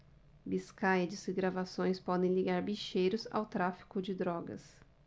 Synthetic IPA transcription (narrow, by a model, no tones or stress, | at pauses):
biskajɐd͡ʒɪsiɡɾavasõj̃spɔd̪ẽj̃liɡaɾbiʃejɾʊza̰wt̪ɾafi̥kʊd͡ʒɪd̪ɾɔɡɐ̰s